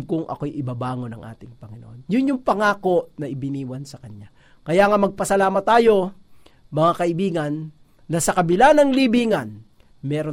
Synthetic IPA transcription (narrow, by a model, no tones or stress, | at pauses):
kʊŋʔɐ̰kojʔɪbabaːŋo̞nɐŋʔa̰ːt̪ɪŋpɐŋɪno̰ʔonjʊnjʊŋpɐŋaːko̞ʔnɐʔɪbɪniːwɐnsɐkɐɲja | kɐjaːŋamɐɡ̚pɐsɐlaːmɐt̪ːaːjo̞ | mɐŋakɐʔɪbiːɡɐnː | ɐsɐkɐbɪlanɐŋlibiːŋɐn | mɛːɾo